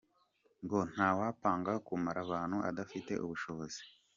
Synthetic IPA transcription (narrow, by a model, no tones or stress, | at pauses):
ŋɡo̞n̥haːwaːpaːŋɡakumaɾaβaːn̥huʔa̰dafite̞̰ʔuβuʃo̞βo̞zi̥